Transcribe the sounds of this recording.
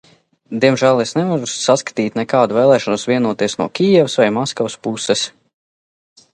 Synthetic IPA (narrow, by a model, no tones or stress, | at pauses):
d̪iɛmʒæːlˠesnɛvaɾusaskḁt̪iːt̪ʲnɛkaːd̪uveːlˠɛːʃɔnusvʲiɛnuɔt̪iɛsnuɔkʲijɛvusvajmɔskavspusɛs